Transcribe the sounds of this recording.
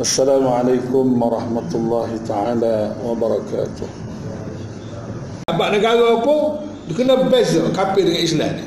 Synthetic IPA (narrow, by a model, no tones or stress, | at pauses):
ʔasːalaːmʕalajkʊmwɑɾˤɑħmat̪lˤːɑːɦit̪aʕaːlawɑbɑɾˤɑka̰ːt̪ʊh | aʔbaʔnəɡaɣopu | dikənabɛzkapidəŋaisla̰n